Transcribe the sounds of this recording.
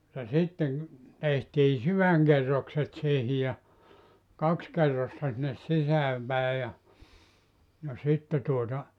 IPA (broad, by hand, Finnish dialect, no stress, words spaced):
jɑ sitːeŋ tehtiː syʋæŋkerːokset siːhi jɑ kɑks kerːostɑ sinːes sisæːm pæˑe jɑ jɑ sitːe tuotɑ